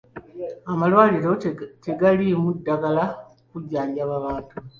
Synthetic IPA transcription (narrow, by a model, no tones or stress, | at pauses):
amalwaːliɾo̞te̞ɡalimudːaɡala | kuɟːaːɲɟaβaβaːtu